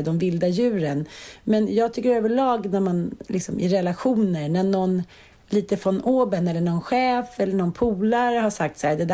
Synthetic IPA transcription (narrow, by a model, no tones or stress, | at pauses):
d̪ɔmvɪld̪ajʉ̟ːɾənmɛnjɑːɡ̚t̪ʰʏkːəɾøːvəɭɑːɡnæɾmanlɪksɔmɪ̰ɾɛlaɧuːnəɾnæɳɔn | liːt̪əfɾɔnoːbənɛlːəɳɔnɧɛːfɛlːəɳɔnpʰuːlaɾəhaʂak̚t̪sæːd̪ɛd̪